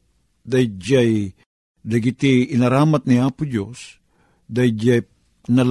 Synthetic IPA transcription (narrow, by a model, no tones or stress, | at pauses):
d̪ajd͡ʒaj | d̪ɐɡɪt̪iʔɪnɐɾaːmɐt̪̚niaːpʊd͡ʒos | d̪ajd͡ʒaj | nɐl